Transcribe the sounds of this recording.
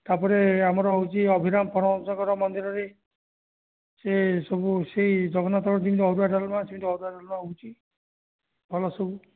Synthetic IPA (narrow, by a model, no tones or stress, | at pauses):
t̪apɔɾeamɔɾɔɦowt͡ʃʰiɔbʱiɾamɔpɔɾɔd͡ʒɔkɔɾɔmɔnd̪iɾɔɾe | sesɔbuseid͡ʒɔɡɔnat̪ɔkɔɾd͡ʒ̪imit̪ɔɦɔɾuaɖalɔmasimit̪ɔɦɔɾuaɖalɔmaɦowt͡ʃʰi | bʱɔlɔsɔbu